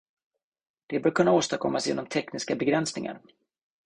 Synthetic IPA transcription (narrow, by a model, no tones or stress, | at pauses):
d̪̥ɛbœːɾkʰɵnːaoːst̪akʰɔ̰mːasjeːnːɔmt̪ʰɛknɪskabɛɡɾɛnsnɪŋa̰ɾ